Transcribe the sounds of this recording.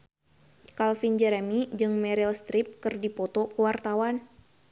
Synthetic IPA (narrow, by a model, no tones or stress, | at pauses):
kalfind͡ʒɛɾɛmid͡ʒɨŋmɛɾilst̪ɾip̚kɨrdipɔt̪ɔkəwart̪awan